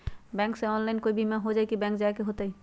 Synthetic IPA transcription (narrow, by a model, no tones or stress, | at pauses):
bɛ̃ŋkseɔnlajnkojbimaɦod͡ʒajkibɛ̃ŋkd͡ʑajkeɦot̪aj